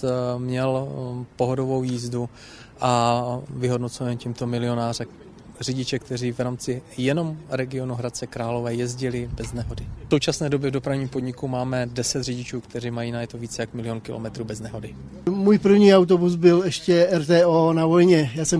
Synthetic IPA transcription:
mɲɛlpo̞ɦodo̞vo̞wjiːzdu | ʔavɪɦo̞dnot͡soɛncimt̪o̞mɪlɪo̞naːrɛ | rɪɟɪt͡ʃɛk̚t̪ɛriːvɾaːmt͡sɪjɛno̞mɾɛɡɪo̞nuɦɾat̪̚t͡sɛkɾaːlo̞vɛːjɛzɟɪlɪbɛznɛɦo̞dɪfsowt͡ʃasnɛːdobjɛvdopɾavɲiːmpo̞dɲɪkumaːmɛdɛsɛt̪rɪɟɪt͡ʃuːkt̪ɛriːmajiːnajɛt̪oviːt͡sɛjakmɪlɪjo̞nkɪlomɛt̪ɾuːbɛznɛɦo̞dɪ | muːjpr̩vɲiːawt̪̬obuzbɪlɛʃcɛɛɾt̪ɛːoːnavojɲɛjaːsɛm

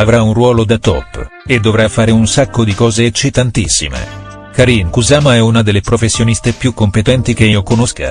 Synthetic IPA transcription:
avɾaunrwɔːlod̪at̪ɔ̰pːed̪ːovɾafːaːɾeunsakːod̪ikɔːzeːt͡ʃːit̪ant̪isːḭmḛ | kaɾinkuzaːmaɛunad̪elːepɾofesːjonist̪epjukːompet̪ɛnt̪ik̟eiokonoska̰

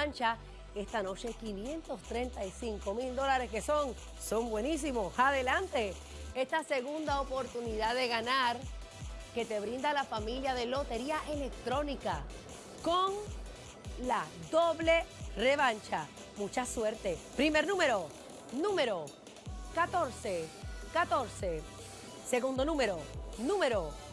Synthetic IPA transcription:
ant͡ʃa | est̪ano̞t͡ʃe̞kinje̞nt̪o̞st̪ɾe̞nt̪aisiŋko̞mild̪o̞laɾe̞ske̞so̞ŋ | so̞mbwe̞nis̬imosaðe̞lant̪e̞ | est̪ase̞ɣund̪aopo̞ɾt̪uniðaðe̞ɣanaɾ | ke̞t̪e̞β̞ɾind̪alafamiljaðe̞lo̞t̪e̞ɾiaʔe̞le̞k̚t̪ɾo̞nika | ko̞ŋ | laðo̞βle̞re̞βant͡ʃa | mũt͡ʃaswe̞ɾt̪e̞pɾime̞ɾnũme̞ɾo̞ | nũme̞ɾo̞ | kat̪o̞ɾsekat̪o̞ɾse̞ | se̞ɣund̪o̞nũme̞ɾo̞nũme̞ɾo̞

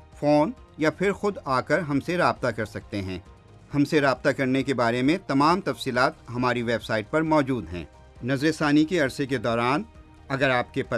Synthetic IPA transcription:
foːnjapʰɪɾxʊd̪aːkəɾɦɐmseɾaːb̚t̪akɐɾsɐk̚t̪eɦɛ̰̃ː | hɐmseɾaːb̚t̪akɐɾnekebaːɾemẽt̪ɐmaːmt̪ɐfsiːlaːt̪ɦɐmaːɾiʋeːbsaːɪʈ̚pɐɾmɔːd͡ʒuːd̪ɦɛ̰̃ː | nɐzɾesaːnikeɐɾseked̪ɔːɾaːn | ɐɡəɾaːp̚kepɐ

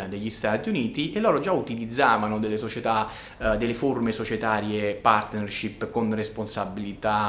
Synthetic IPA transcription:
d̪eʎːist̪aːt̪iuniːt̪iʔelːɔːɾod͡ʒaut̪ilid̪zːaːvanod̪elːesot͡ʃet̪a | d̪elːeformesot͡ʃet̪aːɾjepart̪nerʃipːkonresponsabilit̪a

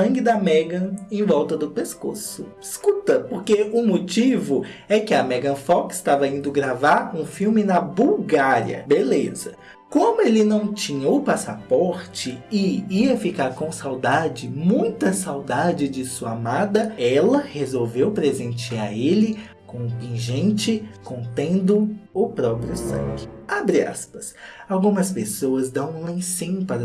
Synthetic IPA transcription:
ɐ̃ɡɪd̪ɐmɛɡɐ̃ẽj̃vɔwt̪ɐd̪ʊpeskosʊ | iskut̪ɐpoɾkeʊmot͡ʃivʊɛkɪɐmɛɡɐ̃fɔkɪ̥st̪avɐĩnd̪ʊɡɾavaɾ̃ũfiwmɪnɐbuwɡaɾḭɐ̰belezɐ | kõmʊelɪnɐ̃w̃t͡ʃĩɲɐʊpasapɔɾt͡ʃɪɪiɐfikaɾkõsawd̪ad͡ʒɪmũj̃t̪ɐsawd̪ad͡ʒɪd͡ʒɪsuɐamad̪ɐɛlɐhezowvewpɾezẽnt͡ʃiaelɪ | kõʊpĩʒẽnt͡ʃɪkõnt̪ẽnd̪ʊʊpɾɔpɾiʊsɐ̰̃ɡʲɪabɾia̰spɐ̥sawɡũmɐspesowɐzd̪ɐ̃w̃ũlĩsĩɲpaɾ

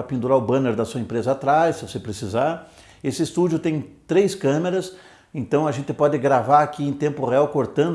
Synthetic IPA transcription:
ɐpĩnd̪uɾaʊbɐ̃neɾd̪ɐsuɐẽmpɾezɐat̪ɾassɪvosepɾesizaɾ | esɪːst̪ud͡ʒʊt̪ẽj̃t̪ɾejskɐ̃meɾɐs | ẽnt̪ɐ̃w̃ɐʒẽnt̪ɪpɔd̪ɪɡɾavaɾakiẽj̃t̪ẽmpʊʁeawkoɾt̪ɐ̃nd̪

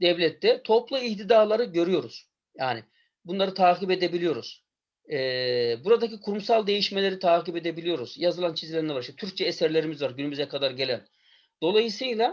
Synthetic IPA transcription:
d̪̥ɛvlʲɛt̪ʰːɛt̪ʰo̞plˠuiht̪ʰid̪aːlˠaɾɯɟø̞ɾyjo̞ɾuz̥ | jaːnɪ | bunlˠaɾɯt̪ʰaːkibed̪ebilijo̞ɾuz̥ː | buɾad̪acikʰuɾumsalˠd̪e̞jiʃme̞lʲeɾit̪ʰaːkibed̪e̞bilʲijo̞ɾuz̥jazɯlˠant͡ʃʰizlʲɛɾinʲɛvaɾiʃɛt̪ʰyɾc̚t͡ʃʰɛːsæɾlʲe̞ɾimizvaɾɟynymyzɛkad̪aɾɟe̞lʲæn | d̪̥o̞lˠajɯsɯjlˠa

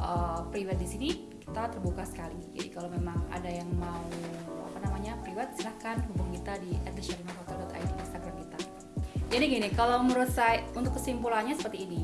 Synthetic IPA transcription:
ʔəpɾivat̪̚disini | ki̥t̪at̪ərbukasə̥kalid͡ʒa̰dḭkalomemaŋa̰dajaŋmaua̰panamaɲapɾivat̪̚silahkanɦubʊŋkit̪adiɛt̪̚diʃalimafɔt̪ɔldɔt̪a̰jt̪iinst̪aɡɾamkit̪a | d͡ʒadiɡinikalaməɾusaunt̪ʊkːəsimpulanɲasə̥pərt̪iːni

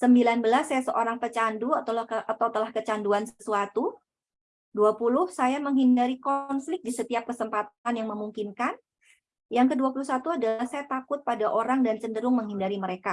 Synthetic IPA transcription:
səmbilanbəlasːajasəʔoɾaŋp̪ət͡ʃanduat̪awt̪əlahkət͡ʃanduansəsuat̪u | duapulʊhsajaməŋɦindaɾikɔnflɪk̚disət̪iap̚kəsəmpat̪̚anjaŋməmuŋkinkan | jaŋkəduapuluhsat̪uadaahsajat̪akʊt̪̚padaʔoɾaŋdant͡ʃəndəɾʊŋməŋɦindaɾiməɾeka

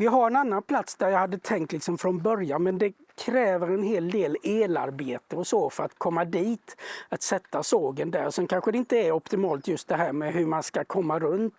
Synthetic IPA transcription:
vɪɦaɾɛnanːanpʰlat̪sd̪æɾjahad̪ːət̪ʰɛŋkt̪lɪksɔmfɾɔnbœɾjanmɛnd̪ɛ | kʰɾɛːvəɾɛnɦeːld̪eːleːlaɾbeːt̪əɔsɔfœɾat̪kʰɔmːad̪iːt̪at̪sɛt̪ːasoːɡənd̪æɾsɔmkʰanɧəd̪ɛɪnt̪əæɾɔpt̪ɪmɑːlt̪jɵst̪̚d̪ɛɦæːɾmɛɦɵɾmanskakʰɔmːaɾɵnt̪

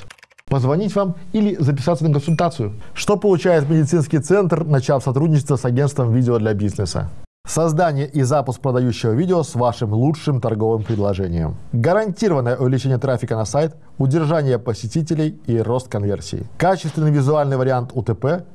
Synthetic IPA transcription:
pəzvɐnʲitʲvamilʲɪzəpʲɪsat̪sənək̬ənsʊlʲt̪at̪sɨjʊʂt̪o̞pəlˠʊt͡ɕæjɪt̪mʲɪdʲɪt̪sɨnskʲɪjt̪sɛnt̪rnɐt͡ɕafsɐt̪ɾudʲnʲɪt͡ɕɪst̪vəsɐɡʲe̞nst̪vəmvʲidʲɪod̪lʲɐbʲiznəsə̰ | sɐzd̪anʲɪjəʔizapʊsk̚pɾəd̪ɐjuɕːɪvəvʲidʲɪosvaʂɨmlˠut͡ʂʂɨmt̪ɐrɡo̞vɨmpɾʲɪd̪lˠɐʐɛnʲɪ̰jə̰mɡəɾɐnʲtʲiɾəvənːəjəʔʊvʲɪlʲɪt͡ɕenʲɪjət̪ɾafʲɪkənɐsajt̪ | ʊdʲɪrʐanʲɪjəpəsʲɪtʲit̬ʲɪlʲɪjiro̞st̪̚kɐnvʲḛrsʲɪ̰ɪ̰kat͡ɕɪ̥st̪vʲɪnɨɪvʲɪzʊalʲnɨjvəɾʲɪant̪ʊt̪ɛpɛ

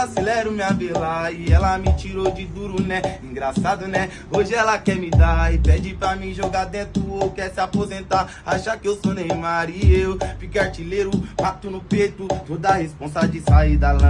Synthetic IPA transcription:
asilɛɾʊmĩavelaiɛlɐmit͡ʃiɾod͡ʒɪd̪uɾunɛĩɡɾasad̪ʊnɛ | oʒɪɛlɐkɛmɪd̪aipɛd͡ʒɪpɾamĩʒoɡad̪ẽt̪uowkɛɾsiapozẽnt̪aɾ | aʃakɪewsonẽj̃ũaɾiewfikaɾt͡ʃileɾʊpat̪ʊnʊpejt̪ʊt̪od̪ɐahespõsɐd͡ʒɪsaid̪ɐlã

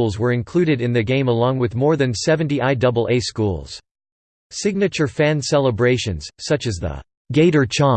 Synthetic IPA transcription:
lˠzwə˞ɨ̃nkʰl̥ʉɾɨɾɨ̃nðɨɡẽɪ̃məlɔ̃ŋwɨðmɔɹðɨ̃nsɛvɨ̃ntiʔaɪdʌbl̩ˠeɪskṵlˠz̥ | sɪɡ̚nɨt͡ʃə˞fæ̃nsɛlˠəbɹeɪʃɨ̰̃nz̥sʌt͡ʃɨzðə̰ | ɡeɪɾə˞t͡ʃʰɑ̃

